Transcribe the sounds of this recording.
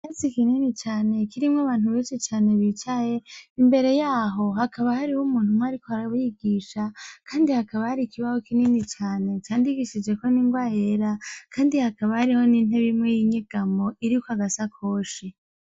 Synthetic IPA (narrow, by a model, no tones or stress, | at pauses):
jat͡sikininit͡ʃaːne̞kiɾimŋaβaːnuβeːʃit͡ʃaːne̞βit͡ʃaje̞imbe̞ɾe̞jaːɦo̞ɦakʰaβahaɾihumuːn̥humwaɾikohaɾaβujiɡiːʃakʰaːndihakaβahaɾikiβahokininit͡ʃaːne̞t͡ʃaːndiɡiʃid͡ʒe̞ko̞niːŋɡwajeɾakʰaːndihakaβahaɾiho̞nin̥eβimŋejiɲiɡ̥amoʔiɾikwaɡasakʰo̞ːʃi